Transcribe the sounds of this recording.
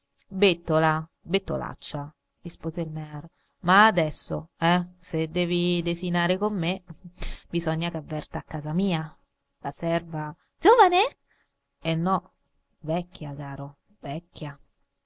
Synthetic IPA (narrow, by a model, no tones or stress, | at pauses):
bet̪ːola | bet̪ːo̰la̰t͡ʃːa | rispoːzeilmɛɾo | maːd̪ɛsːo̰ɛsed̪ːɛːvid̪ezinaːɾekomːe | bizɔɲːakavːɛrt̪aːkːaːzamiːa | lasɛrvḁ | d͡ʒoːvane | enːɔ | vɛkːjakaːɾo | vɛkːja